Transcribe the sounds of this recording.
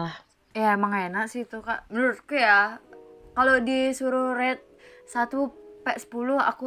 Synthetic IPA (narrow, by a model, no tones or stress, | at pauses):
lah | jamaŋaenaʔsit̪uka̰ʔmənuɾʊt̪̚kuja | kalodisuɾuhrɛt̪̚sat̪upɛʔsə̥puluha̰ku